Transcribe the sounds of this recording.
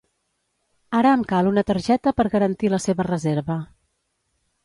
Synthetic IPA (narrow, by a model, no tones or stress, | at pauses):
aɾəːmkalˠunət̪əɾʒɛt̪əpəɾɣəɾənt̪iləseβərəzeɾβə